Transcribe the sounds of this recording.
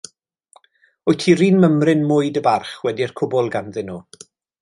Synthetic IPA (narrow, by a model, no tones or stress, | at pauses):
ʊjtʰiriːnməmrɪnmʊɨdəbarχwɛdirkʰʊbɔlˠɡanðɪnuː